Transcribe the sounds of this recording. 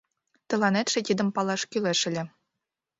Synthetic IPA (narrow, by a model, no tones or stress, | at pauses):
t̪ɤ̆lˠɑnet̪ʂĕt̪ʲid̪ɘ̆mpɑlˠɑʂkʲylʲeʂɘ̆lʲɘ̆